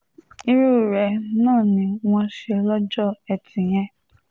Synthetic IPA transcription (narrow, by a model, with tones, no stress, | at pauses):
i˧ɾu˦˨ɾɛ˨nãː˦˨nĩ˧w̃ɔ̃˧ʃɛ˧lɔ˦d͡ʒɔ˦˨ɛ˧tĩ˨j̃ɛ̃˧